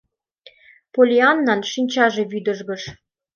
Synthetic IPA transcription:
polʲiɑnːɑnʃinʲt͡ɕɑʒĕβyd̪ə̆ʒɣə̆ʃ

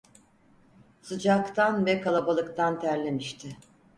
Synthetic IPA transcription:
sɯd͡ʒakt̪ʰanbɛkʰalˠabalˠɯkt̪ʰant̪ʰæɾlʲemiʃt̪ʰɪ

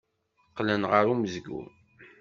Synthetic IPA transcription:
qːlənʁəɾuməzɡṵɾ

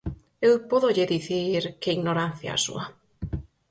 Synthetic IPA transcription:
ewpɔðoʎeðiθiɾkeiɣnoɾanθja̰a̰sṵa

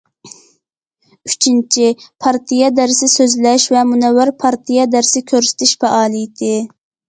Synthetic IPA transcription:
yt͡ʃʰint͡ʃʰipʰɑɾt̪ʰijɑd̪æɾsɪsøzlɛʃvɛmunɛwːɪɾpʰɑɾt̪ʰijɑd̪æɾsɪkʲʰøɾsɪ̥t̪ʰɪʃfɛʔɑːlˠɨjt̪ɪ

